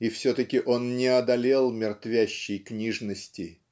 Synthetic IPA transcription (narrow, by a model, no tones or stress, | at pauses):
ifsʲɵt̪əkʲɪʔo̞nnʲɪɐd̪ɐlʲe̞lˠmʲɪrt̪vʲæɕːɪjknʲiʐnəsʲtʲɪ